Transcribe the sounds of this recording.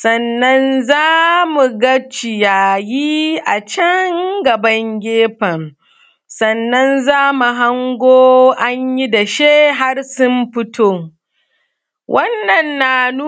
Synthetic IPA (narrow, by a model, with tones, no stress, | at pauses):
sɐ˨nːɐ˦nzaː˦mu˨ɡɐ˦t͡ʃːɪ˨ja˨jiː˦ʔa˨t͡ʃɐ˦ŋɡɐ˨bɐ˦ŋɡʲeː˦ɸɐ˨m | sɐ˨nːɐ˦nzaː˦mu˨ɦa˦ŋɡʷoː˦ʔa˦ɲji˦da˨ʃeː˦ɦa˦rsʊ˦mɸɪ˦tʰoː˦ | wʔɐ˦nːɐ˨nːa˨nu˦